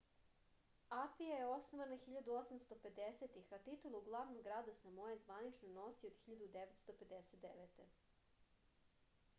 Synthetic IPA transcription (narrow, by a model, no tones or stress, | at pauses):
apijajeo̞snoʋanaxiʎad̪uo̞samst̪o̞pe̞d̪eset̪ixat̪it̪ulˠuuɡlˠaʋnoɡɾaːd̪asemojezʋanit͡ʃnono̞siod̪xiʎad̪ud̪eʋet̪st̪o̞pe̞d̪eset̪d̪eʋet̪ḛ